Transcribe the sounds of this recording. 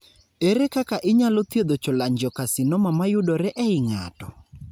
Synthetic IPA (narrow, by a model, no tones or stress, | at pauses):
eɾekakaʔɪɲalɔt̪jed̪ot͡ʃolaɲd͡ʒɔkasɪnɔmamajʊdɔɾɛʔɛɪŋa̰tɔ